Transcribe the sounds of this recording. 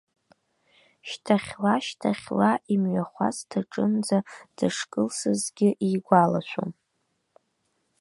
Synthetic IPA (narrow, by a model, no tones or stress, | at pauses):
ʃtʰaχʲlaʃtʰaχʲlaʔimɥaχʷa̰stʰaʈ͡ʂʼɨnd͡zad̥aʂkʼɨlsɨzɡʲɪʔiɡʷala̰ʃʷo̰m